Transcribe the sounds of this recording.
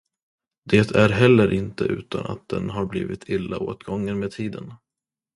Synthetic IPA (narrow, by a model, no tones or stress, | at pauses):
d̪eːt̪ʰæɾɦɛlːəɾʔɪnt̪ə̰ʔʉ̟ːt̪ana̰t̪̚d̪̥ɛnɦaɾblḭːvɪt̪ʰɪlːaoːt̪ɡɔŋːənmeːd̪̚t̪ʰiːd̪ən